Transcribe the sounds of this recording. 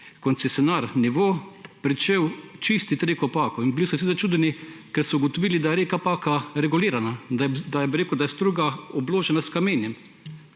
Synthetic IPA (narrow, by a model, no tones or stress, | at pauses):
kɔnt̪sɛsʲjɔnaɾniʋoːpɾit͡ʃewt͡ʃist̪it̪ɾeːkɔpaːkɔinbilisɔwsizat͡ʃuːd̪ɛnikɛɾsɔuɡɔt̪ɔʋiːlid̪ajɛɾeːkapaːkaɾɛɡuliːɾanad̪ajɛbiɾeːkəwd̪ajɛst̪ɾuːɡaɔbloːʒɛnaskameːnjɛm